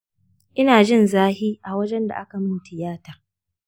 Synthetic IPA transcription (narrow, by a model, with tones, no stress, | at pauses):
ʔɪ˦naː˨d͡ʒɪ˦˨nzaː˦hiː˦ʔa˨wɐ˦d͡ʒɛ˦nda̰˨ʔa˦ka˨mɪ˦ntɪ˨jaː˦ta˨